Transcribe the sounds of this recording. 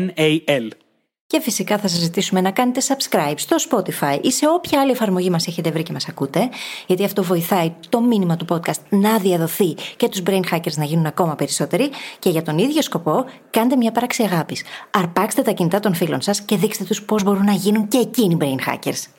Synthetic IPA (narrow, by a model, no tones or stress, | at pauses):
neel | ce̞fisikɐθɐs̬ɐzit̪isume̞nɐkɐne̞t̪e̞sɐb̥skɾɐjbst̪o̞spo̞t̪ifɐiʔise̞o̞pçɐɐlie̞fɐɾmo̞ʝimɐse̞çe̞t̪e̞vɾice̞mɐsɐkut̪e̞ʝɐt̪iɐft̪o̞vo̞iθɐit̪o̞minimɐt̪upo̞d̪̚kɐst̪̚nɐðiɐðo̞θice̞t̪uzbɾejnxɐce̞ɾznɐʝinunɐko̞mɐpe̞ɾiso̞t̪e̞ɾice̞ʝɐt̪o̞niðʝo̞sko̞po̞kɐnet̪emɲɐpɾɐksiɐɣɐpisɐɾpɐkse̥t̪e̞t̪ɐcinit̪ɐt̪o̞nfilo̞nsɐsce̞ðikset̪et̪uspo̞zbo̞ɾunːɐʝinuɲce̞ːcinibɾeinxɐ̰ce̞̰ɾs